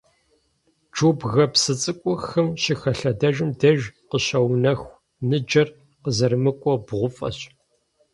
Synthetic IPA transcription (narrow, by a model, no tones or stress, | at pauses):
d͡ʒoːbɣɐpsɨt͡sʼɨkʷʼɔxɨmɕixɐɬɐdɐʒɨmdɐʒqəɕɐwnɐxʷ | nɨd͡ʒɐr | qəzɐrɨmɨkʷʼɔbʁʷʊfʼɐ̰ɕʼ